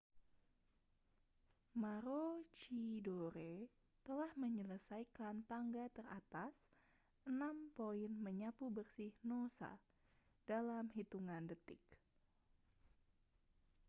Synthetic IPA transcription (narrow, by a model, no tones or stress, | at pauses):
maɾot͡ʃidoɾe | t̪əlahməɲələsajkant̪aŋɡat̪əra̰t̪as | ʔənampoinməɲapubərsɪhnosa̰ | dalamɦit̪uŋandət̪ɪ̰k